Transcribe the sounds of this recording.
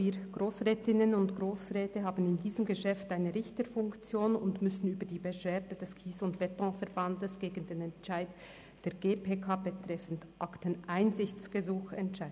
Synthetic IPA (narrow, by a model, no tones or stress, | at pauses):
iːɡ̥ʁoːsʁɛːtʰɪnənʊntɡ̥ʁoːsʁɛːtəɦaːbn̩ɪndiːzəmɡəʃɛftaɪnəʁɪçtəfʊŋkt͡sjoːnʊndmʏsn̩yːbədiːbəʃv̥ɛːɐdədɛskʰiːsʊntb̥ɛtɔ̃fɛɐbandəsɡ̥eːɡən̩deːnɛntt͡ʃaɪt | d̥eːɐɡeːpʰeːkʰaːbətʁ̥ɛfən̩tʔaktənʔaɪnzɪçt͡sɡ̥əzuːxɛntʃaɪ